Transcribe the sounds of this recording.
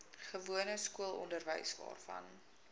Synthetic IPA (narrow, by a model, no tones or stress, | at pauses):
χəvuənəskuəlˠɔndərvə̰jsdɑ̰ːrfɐ̰n